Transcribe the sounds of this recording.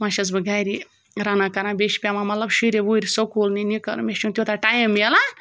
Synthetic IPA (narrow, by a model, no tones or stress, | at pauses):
mãʃɐzbɨɡajɾi | ɾanakɐɾãbeʃpʲamamɐt̪lɐbʃiɾeʋuɾʲsokolninikɐɾmeʃũnt̪jot̪aʈajimːela